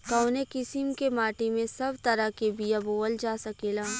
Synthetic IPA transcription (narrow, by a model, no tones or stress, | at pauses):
kɐːnekɪsɪmkemaːʈimẽsɐbt̪ɐɾəkebijaboːld͡ʒaːsɐkeːlaː